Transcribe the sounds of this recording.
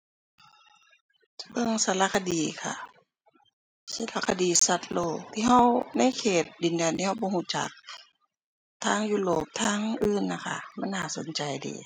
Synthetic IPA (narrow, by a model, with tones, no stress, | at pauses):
bɤ˧˨ŋsa˧˦la˧kʰa˧diː˨kʰa̰˧˩ | sa˧˩la˧kʰa˧diː˨˩sa˧t̪̚loː˧˩t̪ʰiː˧ɦa˧wna˧˥˨jkʰeː˨˩t̪̚di˨ndɛː˨nt̪i˧ha˧wbɔː˧˦ɦu˧˩˨t͡ɕa̰˧˩k̚ | t̪ʰaː˧˥˩ŋjuː˧˨loː˧˩p̚t̪ʰaː˧˥˨ŋʔɯː˧˩nːa˧˩kʰa̰˧˩ma˧˥˨nhaː˧˩so̰˨˦nt͡ɕa˨˩jdḭː˨˩˦